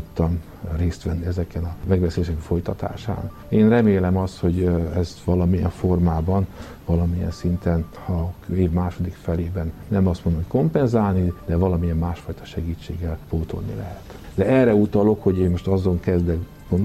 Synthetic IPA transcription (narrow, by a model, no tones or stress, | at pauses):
ot̪ːɒm | reːst̪ʋɛnːiɛzɛkɛnɒmɛɡʋɛselːʃɛkfo̞jt̪ɒt̪a̰ːʃa̰ːn | eːnrɛmeːlɛmɒst̪ho̞ɟɛzʋɒlɒmijɛ̰ɱfo̞rmaːbɒn | vɒlɒmijɛ̰nsint̪ɛn | hɒeːvmaːʃo̞d̪ikfɛleːbɛnːɛmɒst̪mond̪omocʲko̞mpɛnzaːlnid̪ɛvɒlɒmijɛmːaːʃfɒjt̪ɒ̥ʃɛɡiːt͡ʃːḛːɡːɛlpoːt̪ʰo̞̰lnḭlɛ̰ɦɛt̪d̪ɛɛrːɛut̪ɒlo̞kho̞ɟeːmo̞ʃt̪ɒzo̞ŋkɛzd̪ɛk | ɡond̪